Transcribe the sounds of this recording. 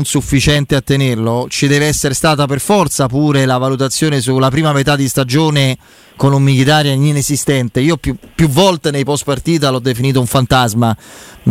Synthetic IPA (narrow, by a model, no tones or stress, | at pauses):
nsufːit͡ʃɛnt̪eat̪ːenerlot͡ʃid̪ɛːveɛsːeɾest̪aːt̪aperfɔrt̪sapuːɾelavalut̪̬at̪sːjoːnes̬ulapɾiːmamet̪ad̪ːist̪ad͡ʒoːne | konumːilit̪aːɾjaɲinezist̪ɛnt̪eiːopupːjuvːɔlt̪enejpɔst̪part̪iːt̪̬alɔd̪ːefiniːt̪̬ouɱfant̪azman